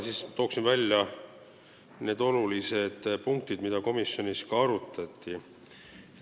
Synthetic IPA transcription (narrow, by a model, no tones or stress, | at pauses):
siːst̪o̞ːksinvælʲjɑ | ne̞ːd̪o̞lulise̞d̪̥puŋk̚t̪id̪mid̪̥ɑko̞misːjo̞niskɑɑɾut̪ːˑɑt̪ːˑi